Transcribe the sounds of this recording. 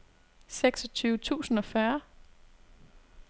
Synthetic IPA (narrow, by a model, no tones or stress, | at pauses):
seɡ̥sɒ̽t͡sʰyːʊət͡sʰṵːsn̩ɒ̽fɶɐ